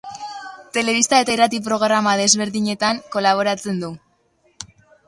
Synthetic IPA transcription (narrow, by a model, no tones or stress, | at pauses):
t̪e̞le̞β̞ist̪ae̞t̪airat̪ip̬ɾo̞ɣɾamaðe̞zβe̞ɾðiɲe̞t̪aŋko̞laβ̞o̞ɾat͡se̞nd̪u